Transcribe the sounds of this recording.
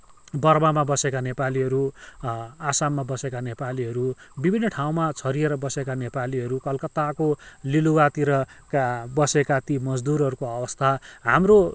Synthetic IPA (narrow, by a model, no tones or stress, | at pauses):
bʌrmamabʌsekanepaliɦʌɾu | asamːabʌsekanepaliɦʌɾu | bibʱinːʌʈʰaw̃mat͡sʰʌɾieɾʌbʌsekanepaliɦʌɾukʌlkʌt̪akoliluwat̪iɾʌ | kabʌsekat̪imʌd͡zd̪uɾɦʌɾukoʌbʌst̪ʰaɦamro